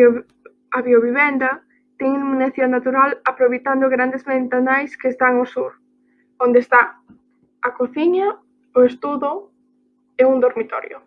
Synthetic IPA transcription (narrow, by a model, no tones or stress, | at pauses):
aβjoβiβɛnd̪ɐ | t̪ɛŋmuneθjonat̪uɾalapɾoβejt̪and̪ʊɣɾand̪ezment̪anajskeːst̪aŋosuɾ | ond̪est̪a | akoθiɲɐ | oest̪uðʊ | euŋd̪oɾmit̪ɔ̰ɾjo̰